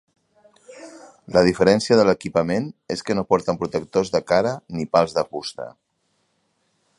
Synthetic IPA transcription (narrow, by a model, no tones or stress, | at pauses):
ləð̞ifəɾɛnsiəðələkipəmeneskənopɔɾt̪əmpɾut̪ək̚t̪ozðəkaɾənipalˠzðəfust̪ə̰